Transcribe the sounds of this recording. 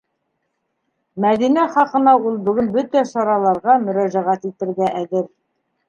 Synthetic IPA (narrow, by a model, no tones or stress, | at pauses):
mæðinæχɑqɤ̆nɑulˠbɵ̆ɡɵnbɵt̪æʃɑɾɑlˠɑɾʁɑmɵ̆ɾæʒæʁæt̪it̪ɘ̆ɾɡæʔæðɘɾ